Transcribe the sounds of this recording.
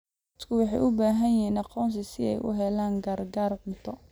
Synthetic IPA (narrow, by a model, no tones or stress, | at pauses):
ɐt̪kʰʊwɑħɑjʔʊbaːɦɐnjɪɦiːnɑqɔːns̬ɪsɪɛ̰jʔʊ̰ɦɛlaːŋɡɐrɡaːrqʊt̪ʰɔ